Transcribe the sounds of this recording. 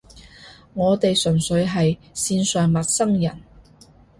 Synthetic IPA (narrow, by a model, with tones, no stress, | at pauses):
ŋɔː˨˧t̪e˨jsɵ˨˩nsɵ˨˧ɥɦɐ˨j | siː˧nsœː˨˩ŋmɐ˨t̚sɐ˥ŋjɐ̰˨˩n